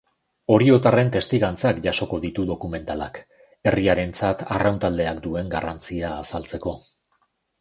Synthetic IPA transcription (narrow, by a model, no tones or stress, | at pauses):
o̞ɾio̞t̪are̞nt̪e̞st̪iɣant͡sakʝaso̞ko̞ðit̪uðo̞kume̞nt̪alak | e̞riaɾe̞nt͡sat̪a̰rawnt̪ald̪e̞akd̪ue̞ŋɡarant͡siaːsalt͡se̞ko̞